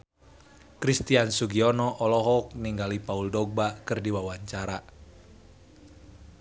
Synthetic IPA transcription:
kɾist̪iansuɡiɔnɔʔɔlɔɦɔk̚niŋɡalipauldɔɡ̚bakɨrdiwawaɲt͡ʃaɾa

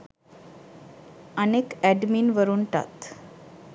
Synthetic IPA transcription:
ənekæɖmiːnʋəɾuːɳʈa̰t̪

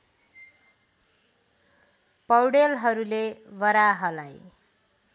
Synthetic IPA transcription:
pʌwɽelɦʌɾulebʌɾaɦʌlaj

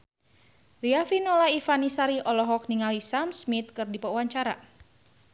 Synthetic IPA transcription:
riafinɔlaifanisaɾiʔɔlɔɦɔk̚niŋalisamsmit̪̚kɨrdipauwaɲt͡ʃaɾa̰

